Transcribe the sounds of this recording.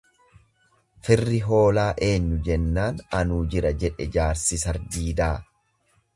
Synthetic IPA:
fɪrːɪɦo̞ːlaːʔe̞ːɲːʊd͡ʒɛnːaːnɐnuːd͡ʒɪɾɐd͡ʒɛᶑɛd͡ʒaːɾsɪsɐɾd̪iːd̪aː

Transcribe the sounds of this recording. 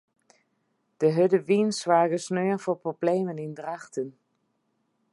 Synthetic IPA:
d̥əɦɵdəʋinsʋaːɡəsnøːənvʊːɹproblejmənɪndraχtən

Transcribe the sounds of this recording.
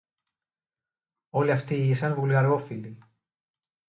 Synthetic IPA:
oliaft̪iisɐnvulɣaɾɣofili

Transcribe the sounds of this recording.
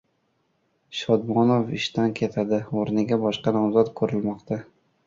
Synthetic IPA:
ʃɒd̪mɒnofɪʃt̪ankʲʰe̞t̪ʰad̪ɪoɾnɪɡʲabɒʃqɑnɒmzɒt̪kʰɵɾɪlmɒqt̪ʰa

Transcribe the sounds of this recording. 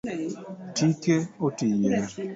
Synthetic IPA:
tikeotijɛ

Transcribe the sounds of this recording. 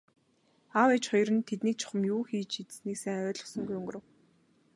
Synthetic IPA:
awɛt͡ɕχɔjrɾə̆nt̪ʰet̪niːk̚t͡ɕʰʊ̥χə̆mjuːxiːt͡ɕʰit̪sniːksæŋœːɮʊ̥̆sɞ̆ŋɡujɵŋɡɵ̆ɾə̆w

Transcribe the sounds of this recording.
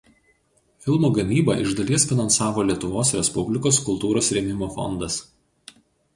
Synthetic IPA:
fʲɪlˠmoːɡɐmʲiːbɐ̰ʔɪʒd̪ɐlʲiɛsfʲɪnɐnsɑːʋoːlʲiɛt̪ʊʋoːsɾʲɛspʊbʲlʲɪkoːskʊlˠt̪uːɾoːsɾʲɛmʲɪmoːfɔ̰nd̪ɐs

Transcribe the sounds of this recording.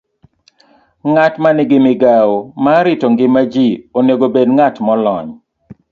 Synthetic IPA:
ŋatmanɪɡɪmɪɡaomaɾɪtoŋɡɪmːad͡ʒioneɡobedŋatmɔlɔɲ

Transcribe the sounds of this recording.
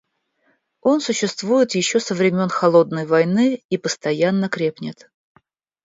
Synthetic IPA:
o̞nsʊɕːɪst̪vujɪt̪jɪɕːo̞səvɾʲɪmʲo̞nxɐlˠo̞d̪nəjvɐjnɨipəst̪ɐjanːəkɾʲe̞pnʲɪt̪

